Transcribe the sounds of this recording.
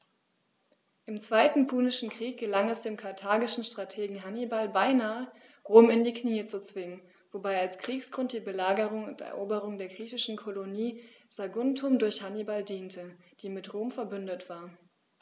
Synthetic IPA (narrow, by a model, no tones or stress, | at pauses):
ʔɪmt͡sv̥aɪtn̩pʰuːnɪʃn̩kʁ̥iːk̚ɡ̥əlaŋɛsd̥eːmkʰaɐtʰaːɡɪʃn̩ʃtʁ̥atʰeːɡŋ̩ɦanibalbaɪnaːə | ʁoːmɪndiːkniːət͡sut͡sv̥ɪŋən | vobaɪalskʁ̥iːksɡ̥ʁʊnt̚d̥iːbəlaːɡəʁʊŋʊ̰ntɛ̰ɐʔoːbəʁʊŋdeːɐɡʁiːçɪʃn̩kʰoloniːz̥aɡʊntʰʊmdʊɐçhanibaldiːntʰə | d̥iːmɪtʁoːmfɛɐbʏndətv̥aːɐ